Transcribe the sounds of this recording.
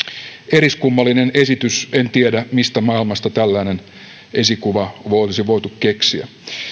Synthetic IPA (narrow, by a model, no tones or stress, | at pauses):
eɾiskumːɑlːine̞ne̞sit̪yse̞nt̪iedæmist̪æmɑilmɑst̪ɑt̪ælːæːne̞n | ʔe̞sikuʋɑʋolisiʋoit̪ukke̞ksiæ̰